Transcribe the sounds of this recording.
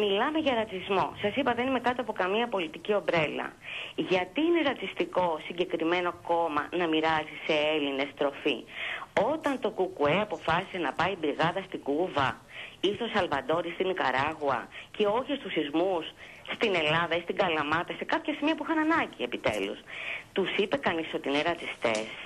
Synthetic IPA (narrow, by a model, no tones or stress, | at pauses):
milɐme̞ʝɐɾɐt͡sizmo̞sɐsipɐðe̞nimekɐt̪o̞ɐpo̞kɐmiɐpo̞lit̪icio̞bɾe̞lɐ̰ | ʝɐt̪iine̞ɾɐt͡sist̪iko̞siɲɟe̞kɾime̞noko̞mɐ̰nɐmiɾɐzise̞eline̞st̪ɾo̞fḭo̞t̪ɐnt̪o̞kukueɐpo̞fɐsi̥senɐpɐibɾiɣɐðɐst̪iɡuvɐiθo̞sɐlvɐd̪o̞ɾist̪inikɐ̰ɾɐɣuɐ̰ce̞o̞çest̪usizmusː | t̪ine̞lɐðɐist̪iŋɡɐlɐmɐt̪ɐse̞kɐpçɐsimiɐpuixɐnɐnɐɟiepit̪e̞̰lṵst̪usipe̞kɐniso̞t̪iineɾɐt͡sist̪e̞̰s